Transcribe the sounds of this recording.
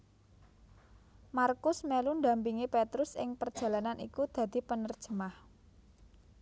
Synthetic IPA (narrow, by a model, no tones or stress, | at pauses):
markʊsmelund̪a̤mpiŋipet̪ɾʊsɪ̰ŋpərd̥ʒ̥ä̤lananʔḭkud̪̥ä̤d̪̥i̤pənərd̥ʒ̥ə̤mah